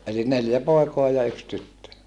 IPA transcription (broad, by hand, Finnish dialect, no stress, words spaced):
ʔeli neljæ poˑi̯koɑ jɑ yks tytːø